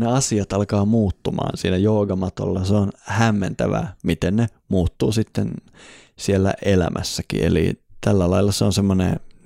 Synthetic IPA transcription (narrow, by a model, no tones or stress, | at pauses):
neɑsiɑt̪ɑlkɑːmuːt̪ːumɑ̰ːnsiːnæjoːɡɑmɑt̪o̰lːɑseonhæmːent̪æʋæ̰ːmit̪enne | muːt̪ːuːsit̪ːen | sielːæ̰ʔelæ̰mʔæsːækḭʔḛlḭt̪ælːælɑilːɑseonsemːonḛ